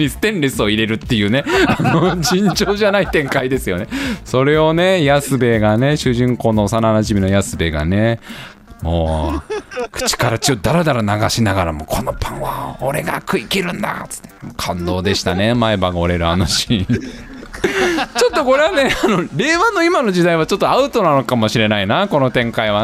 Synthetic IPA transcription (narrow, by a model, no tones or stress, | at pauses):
isɨ̥t̪ẽ̞nɾesɨo̞iɾe̞ɾɯ̟t̪ːe̞jɯ̟ːne̞anod͡ʑĩɲ̟d͡ʑo̞ːʑanait̪ẽ̞ŋkaid̪e̞sɨjo̞ne̞so̞ɾe̞o̞ne̞jasɨbe̞ɡane̞ɕɨʑĩŋko̞ːnosananaʑimʲino̞jasɨbe̞ɡa̰ne̞ | moː | kɯ̟̥t͡ɕi̥kaɾat͡ɕiod̪aɾad̪aɾanaɡaɕinaɡaɾamokʰo̞no̞pʰãɰ̃βa̰oɾeɡa̰kɯ̟ikʲiɾɯ̟̃nd̪a̰t͡sɨ̥t̪ːemokʰãnd̪o̞ːd̪e̞ɕi̥t̪ane̞maebaɡaoɾe̞ɾɯ̟anoɕi | t͡ɕo̞t̪ːo̞ko̞ɾe̞βane̞ano̞ɾe̞ːβano̞imano̞ʑid̪aiβat͡ɕo̞t̪ːoaɯ̟t̪o̞nano̞kamo̞ɕiɾe̞nainako̞no̞t̪ẽ̞ŋkaiβ̞a